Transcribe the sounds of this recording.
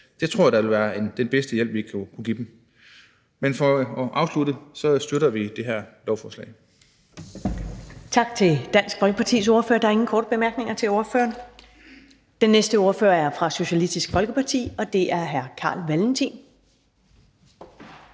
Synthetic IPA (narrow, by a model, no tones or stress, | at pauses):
d̥et͡sʰʁo̝ɐ̰ɐd̥ɑʋe̝lʋæːɐend̥enb̥esd̥əjel̰b̥ʋiɡʰukʰuɡ̥ḭːd̥em̩ | menfɒ̽ɒʔɑ̈ʊsluɾəsɒ̽sd̥øɾɐʋid̥eɦæɐlɒʊfɒːslɛ̰ɪ | t͡sʰɑ̈ɡ̥̚t͡sʰe̝ld̥æn̰sɡ̥fɒlɡ̥əpʰɑ̈t͡sʰḭːso̝ɐfø̰ːɐd̥ɑ̈ɐe̝ŋn̩kʰɒ̰ːd̥əb̥e̝mæɐɡ̥ne̝ŋɐt͡sʰe̝lo̝ɐføːɐn | d̥enːesd̥əo̝ɐføːɐæɐfʁɑ̈so̝ɕælisd̥isɡ̥fɒlɡ̥əpʰɑ̈t͡sʰḭːɒ̽d̥e̝ʔæɐɦæɐkʰɑ̰̈ːlʋælm̩t͡sʰḭn